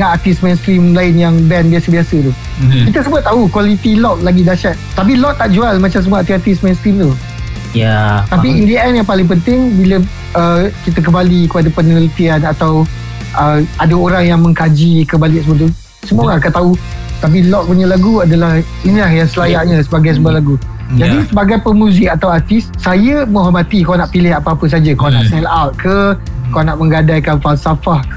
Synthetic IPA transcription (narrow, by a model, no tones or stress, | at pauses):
ŋaʔat̪ismensk̪ɾimlaɪnjaŋbɛnbiasəbiasət̪u | kit̪əsəbʊt̪̚t̪ːaukwalit̪ilɔk̚laɡidaʃat̪̚t̪ap̬ilɔʔt̪ːaʔd͡ʒualmãt͡ʃamsəmaat̪iat̪ismẽnskɾimt̪u | jat̪apiindiɛnjaŋpalɪŋp̬ənt̪ɪŋbilə | əkit̪ək̬əmbalikəpadapənəələt̪ianat̪aw | ʔəadaoɾaŋjaŋmə̃ŋkad͡ʒikəmbalɪʔsəbət̪u | səmuaakat̪au | t̪ap̬ilɔʔ̚puɲəlaɡuadalah | inilahjaŋsəlajaʔɲãsəbaɡajs̬əmbualaɡu | d͡ʒadisəbaɡajpəmũzɪk̚at̪awart̪ɪssajəmə̃ɦamat̪ikawnaʔpilɪɦapaapəs̬ad͡ʒakana̰ʔsɛlawt̪̚kʰəkawnaʔmə̃ŋɡadajkanfalsafah